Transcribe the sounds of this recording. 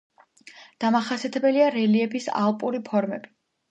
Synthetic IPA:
d̪̥amaχasiat̪ʰɛbɛliaɾɛliɛpʰisa̰lˠpʼuɾipʰɔɾmɛbi̥

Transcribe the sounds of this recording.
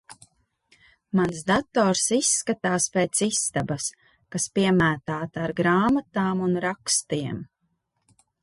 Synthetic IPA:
mansd̪at̪ɔːɾsisːkat̪aːspeːt̪sist̪abɐs | kaspiɛmæːt̪aːt̪aɾɡɾaːmat̪aːmunɾakst̪iɛm

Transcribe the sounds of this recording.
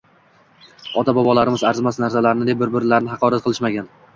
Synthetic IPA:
ɒt̪ʰabɒbɒlˠaɾɪmɪzaɾzɪmasnaɾsalaɾɪnɪd̪ebɪɾbɪɾlaɾnɪhɑqʰɒɾat̪̚qʰɨlˠɪʃmaɡʲan

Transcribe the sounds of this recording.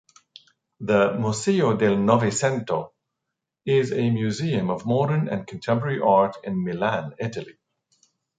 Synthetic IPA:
ðəmuseodɛlnɔvisɛ̃nto | ɪzemjuziːə̃məvmɔɾənə̰̃nkʰə̃ntʰɛ̃mpəɹəɹiʔaɹtʰɪ̃nmɪlæ̃nɪʈəlḭ

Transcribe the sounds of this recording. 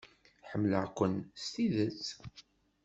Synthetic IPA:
ħəmːlə̰ʕkʷənst̪iðət͡s

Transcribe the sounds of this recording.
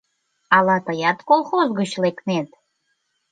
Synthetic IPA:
alatʰajatkʼolˠχozɡɨʃlekʰʼnetʼ

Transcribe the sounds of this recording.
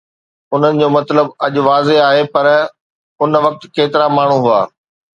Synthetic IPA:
ʊn̤ənɪ̆d͡ʑoːmɐt̪ləbɐʄʊ̆ʋaːzeaːɦepɐɾ | ʊnʋɐk̚t̪keːt̪ɪɾamaːɳ̤ũɦʊa̰ː

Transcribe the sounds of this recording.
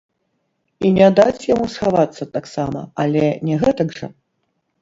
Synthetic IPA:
inʲɛd̪at͡sʲjamusxavat̪sːɐt̪aksamɐ̰alʲɛnʲɛɣɛt̪ɐɡʐɐ̰

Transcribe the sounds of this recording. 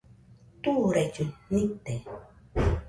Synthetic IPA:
t̪uɾet͡ʃunit̪e

